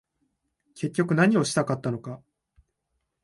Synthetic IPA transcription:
kʰe̞kʲːo̞kɯ̟naɲ̟io̞ɕi̥t̪akat̪ːano̞ka

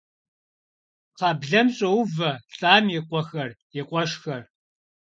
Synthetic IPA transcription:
qɑːbɮɐmɕʼɐwvɐɬʼaːmjɪqʷʼɔxɐrjɪqʷʼɔʃxɐr

